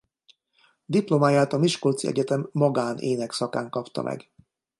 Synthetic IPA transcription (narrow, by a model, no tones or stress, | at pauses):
d̪iplomaːjaːt̪ɒmiʃkolt̪siɛ̰ɟɛt̪ɛmːɒɡaːnʔeːnɛksɒka̰ːŋkɒpt̪ɒ̰mʔɛ̰ɡ